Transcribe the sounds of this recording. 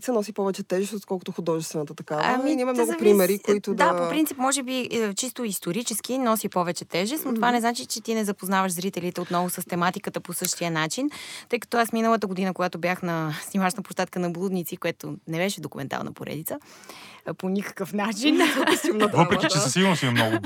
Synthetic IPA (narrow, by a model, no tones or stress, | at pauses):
t̪sənɔsipɔvɛt͡ʃɛt̪ɛʒɛst̪ot̪kɔlˠkʊt̪oxʊd̪ɔʒɛst̪vɛnət̪ət̪ɐkaaminʲimɐmnɔɡʊpɾimɛɾikoit̪ʊd̪apopɾint̪sipmɔʒɛbit͡ʃist̪oist̪oɾit͡ʃɛskinɔsipɔvɛt͡ʃɛt̪ɛʒɛst̪not̪ovanɛznat͡ʃit͡ʃɛt̪inɛzɐpoznavəʃzɾit̪ɛlit̪ɛot̪nɔvʊsəst̪ɛmat̪ikət̪əposɤʃt̪ijənat͡ʃint̪ɤjkɐ̥t̪ɔasminəlˠət̪əɡod̪inəkoɡat̪objaxnɐsnʲimat͡ʃnəpo̥ʃt̪at̪kənɐblˠud̪nit̪sikoɛt̪onɛbɛʃɛd̪okumɛ̰nt̪a̰lˠnʔə̰poɾɛ̰d̪it̪sə | ponʲikə̥kəfnat͡ʃinsilˠnət̪vəpɾɛkit͡ʃɛsəsilˠəmsimnɔɡʊ